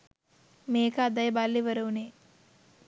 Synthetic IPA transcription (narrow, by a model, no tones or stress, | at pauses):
meːkaːd̪ɐjɐbaːlːiʋɐɾɐwneː